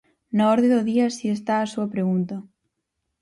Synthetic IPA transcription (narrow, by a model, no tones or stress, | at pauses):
naɔɾðeðoðiasiest̪aːsuɐpɾeɣunt̪ɐ